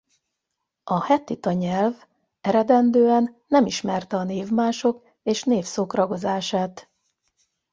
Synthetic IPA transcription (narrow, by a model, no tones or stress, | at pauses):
ʔɒhɛt̪ːit̪ɒɲɛlv | ɛɾɛd̪ɛnd̪øːɛnːɛmiʃmɛrt̪ɛɒneːvmaːʃo̞k | eːʃneːfsoːkrɒɡo̞zaːʃaːt̪